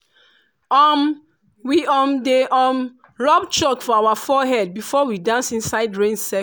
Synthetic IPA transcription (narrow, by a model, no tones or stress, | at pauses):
ɔm | wiɔ̃mdeʔɔ̃m | ɹɔpt͡ʃɔkfɔawafɔɦɛd̚bifɔwidãnsĩnsaɪdɹẽnsɛ